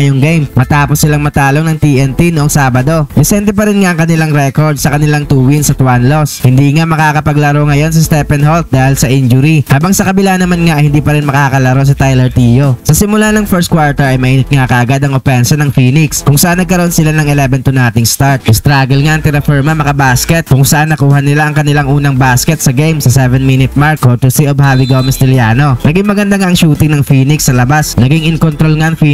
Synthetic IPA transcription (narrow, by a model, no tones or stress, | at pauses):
ɐjoŋɡejmmɐt̪aːposːɪlaŋmɐt̪aːloŋnɐŋt̪iʔɛnt̪inoʔoŋsaːbɐd̪o̞dɛsɛnt̪̬ɛpɐɾɪnŋaʔɐŋkɐnɪlaŋɾɛkoɹd̪̚sɐkɐnɪlaŋt̪uːwinsɐt̪wanlo̞shɪnd̪iːŋamɐkaːkɐpɐɡlɐɾo̞ŋɐjo̞ns̬ɐst̪ɛpɛnholt̪̚d̪aːhɪlsɐʔind͡ʒʊɾihaːbɐŋsɐkɐbɪlaʔnɐmanŋaʔɐjhɪnd̪iːpɐɾɪnmɐkakɐlɐɾo̞s̬ɐt̪ajlɛɹt̪ijosɐsɪmʊlanɐŋfɛɹst̪̚kwaɹt̪ɛɹɐjmɐʔiːnɪt̪̚ŋakɐʔɐɡad̪ɐŋopɛnsɐnɐŋfiːnɪkskʊŋsɐʔanːɐɡkɐɾoʔonsɪlanɐŋɛlɛvɛnt̪ʊnaːt̪ɪŋst̪aɹt̪̚ʔɪst̪ɾaːɡɛlŋaʔɐŋt̪ɪnɐfɛɹmamɐkɐbaːskɛt̪̚kʊŋsɐʔanːɐkuːhɐnɪlaʔɐŋkɐnɪlaŋʔuːnɐŋbaːskɛt̪̚sɐɡejmsɐsɛvɛnminɪt̪̚maɹkot̪usiʔobhaviɡomɛst̪ɪljaːno̞nɐɡiŋmɐɡɐnd̪aŋaʔɐŋʃuːt̪ɪŋnɐŋfiːnɪksːɐlɐbasnɐɡɪŋʔɪŋkont̪ɾolŋaʔɐŋfi